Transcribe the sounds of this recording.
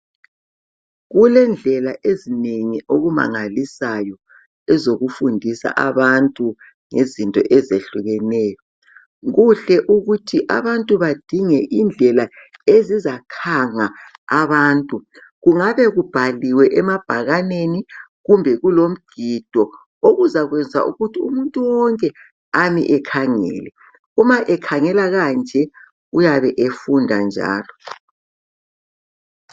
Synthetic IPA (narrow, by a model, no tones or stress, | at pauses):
ɣulɛnd͡ɮʱɛlaʔezineŋiʔoɣuma̰ŋalisajɔ | ɛzoɣufundʱisa̰ʔa̰βantʼu | ŋezintʼɔ̰ʔɛzeɬuɣɛnɛːjɔ | ɣuɬɛʔuɣutʰiʔa̰βantʼuβad̥ʱiŋɛʔind͡ɮʱɛlaezizakʰaŋaaβaːntʼu | ɣuŋaβɛɣub̥ʱaliwɛʔɛmab̥ʱaɣaneniɣumbʱɛɣulom̩ɡ̥ʱid̥ʱɔ | oɣuzaɣwɛnd͡zʱa̰ʔṵɣutʰiumuntʼuwɔŋkʼɛ | amḭʔɛkʰaŋɛ̰ːlɛ | umaʔɛkʰaŋɛlaɣand͡ʒʱɛ | ujaβɛʔefundʱa̰nd͡ʒʱa̰ːlɔ